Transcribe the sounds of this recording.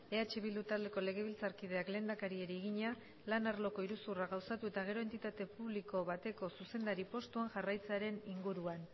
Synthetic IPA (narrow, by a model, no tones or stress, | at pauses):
e̞at͡ʃe̞βild̪ut̪ald̪e̞ko̞le̞ɣ̞e̞βilt͡saɾkið̞eakle̞ːnd̪akaɾie̞ɾiːɣiɲa | lanaɾlo̞ko̞iɾusuraɣawsat̪ue̞t̪aɣ̞e̞ɾo̞e̞nt̪it̪at̪e̞puβliko̞βat̪e̞ko̞suse̞nd̪aɾipo̞st̪uaŋʝarajt͡seaɾe̞niŋɡuɾuan